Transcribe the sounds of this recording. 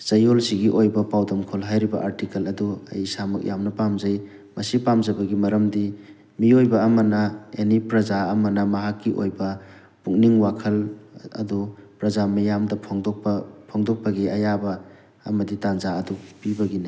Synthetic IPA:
sɐjolsiɡiʔojbɐpawdɐmkʰolɦajɾibɐ̰ʔaɾtikɐlɐduɐ̰jsamɐk̚jamnɐpamzaj | mɐsipamzɐbɐɡimɐɾɐmdi | miojbɐːmɐnɐenipɾɐzaːmɐnɐmɐɦakːiʔojbɐ | puŋniŋwakʰɐlɐ̰dupɾɐzamɐjamdɐpʰɔŋdɔppʰɔŋdɔk̚pɐɡiɐjabɐː | mɐditanzaɐdupibɐɡina

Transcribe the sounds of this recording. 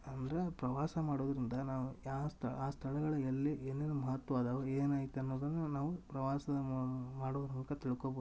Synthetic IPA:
ɐnd̪ɐɾepɾɐʋaːsɐmaːɽoːd̪ɐɾind̪ɐnaːʋuaːst̪ʰɐaːst̪ʰɐɭɐɡɐɭɐelːienːeːnumɐɦɐt̪ːʋɐaːd̪ɐʋɐeːnaːɡit̪ːeɐnːoːd̪ɐnːɐnaːʋupɾɐʋaːsɐmaːɽoːd̪ɐɾmukɐt̪iɭukoboː

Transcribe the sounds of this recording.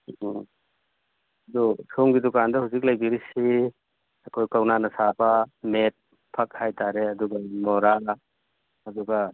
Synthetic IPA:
ɐdutʰoŋɡidukandɐhuwzik̬̚lɐjbiɾisi | ɐkʰojkawnanɐsabɐmet̚ | pʰɐk̚hajtaɾeɐduɡɐmɔɾa | ɐduɡɐ

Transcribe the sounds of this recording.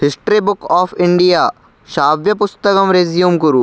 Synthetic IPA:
ɦɪsʈɾibʊkɔːfʰɪ̃ɳɖijaː | ʃaːʋjɐpʊst̪ɐkɐmɾeːzijumkʊɾuː

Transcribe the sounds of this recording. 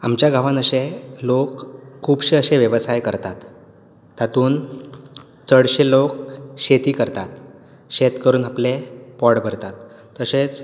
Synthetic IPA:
amt͡ɕjaɡʱaʋãnəɕelokʰːuːbɕeəɕeʋjəʋəsajkəɾt̪at̪ː | at̪uːn | t͡səɽɕelok̚ɕet̪iːkəɾt̪at̪ | ɕet̪kəɾuːnaplepɔɽbʱəɾt̪at̪ː | əset͡s

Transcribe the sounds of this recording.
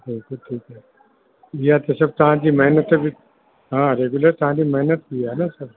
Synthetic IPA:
bɪlkʊlʈʰiːkɦɛː | jat̪esɐb̚t̪ɐɦãd͡ʒimɛɦnət̪ːebʱi | ɦãːɾeːɡʊləɾt̪ɐɦãd͡ʒimɛɦnət̪̚biɛnasɐb̚

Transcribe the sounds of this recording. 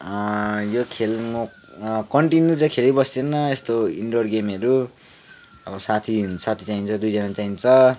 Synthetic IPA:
jokʰelŋo | kʌɳʈinjut͡sʌ̃kʰelebʌst̪enʌest̪oḭɳɖorɡemeɾu | ʌbʌsat̪ʰisat̪ʰi̥t͡saint͡sʰʌd̪ujd͡zanat͡saint͡sʰʌ

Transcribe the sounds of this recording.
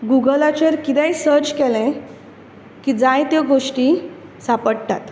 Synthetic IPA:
ɡuɡəlat͡ɕeɾkit̪ɛjsəɾt͡ɕkɛlɛ̃ | kid͡zãjt̪eɡoʂʈi | sapəɽt̪at̪

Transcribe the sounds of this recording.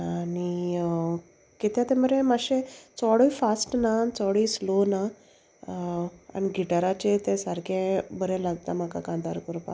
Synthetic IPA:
ani | ket̪jat̪ẽməɾẽmaɕẽt͡sɔɽoifasʈnat͡sɔɽislona | a̰niɡiʈaɾat͡ɕet̪ẽsaɾkʰẽbəɾẽlaɡt̪am̤aka̰kãnd̪a̰ɾkɔɾpa̰

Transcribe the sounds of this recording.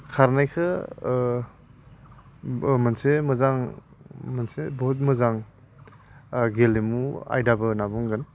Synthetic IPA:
kʰaɾnajkʰɯ | mansemɐzaŋ | mɐnsebɔt̬̚mɐzaŋ | ɡelemua̰jdabɯnabɔŋɡɯn

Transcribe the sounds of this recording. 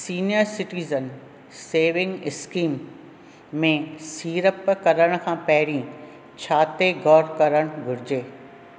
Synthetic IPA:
siːnijəɾsɪʈiːzən | seːʋɪ̃ŋɡɪskiːmː | ẽsiːɾəpkɐɾəɽ̃kʰãːpɐɦɪɾĩ | t͡ɕʰaːt̪eɡɔːɾkɐɾəɽ̃ɡʱʊɾɪd͡ʑeː

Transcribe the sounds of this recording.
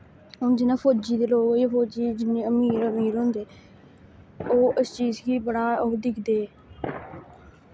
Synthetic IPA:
ʊnd͡ʒɪnãːpʰoːd͡ʒiːd̪eːloːɡoipʰoːd͡ʒiːd͡ʒɪnːẽːəmiːɾəmiːɾɦʊ̃nd̪eː | oːɪst͡ʃiːzkiːbəɽaːoːd̪ɪkʰd̪eː

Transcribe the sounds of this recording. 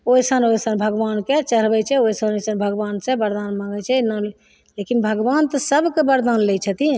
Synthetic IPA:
oisənoisənbʱəɡʋanket͡ʃəɾbɛt͡ʃʰɛoisənosənbʱəɡʋansɛ̃bəɾd̪anmaŋɡɛt͡ʃʰɛnəl | lekinbʱəɡʋant̪əsəbʱkebəɾd̪aːnlɛt͡ʃʰət̪i

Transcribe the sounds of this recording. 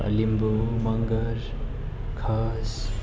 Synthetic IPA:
ɐ̰limbumɐŋɡəɾ | kʰas

